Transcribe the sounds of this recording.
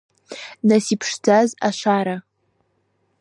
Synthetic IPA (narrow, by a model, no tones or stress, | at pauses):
nasipʰʂdʰaza̰ʃaɾa